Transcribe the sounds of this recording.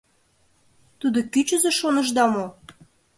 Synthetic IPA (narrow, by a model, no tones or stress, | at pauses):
t̪ud̪okyt͡ɕəzĕʃonəʒd̪ɑmo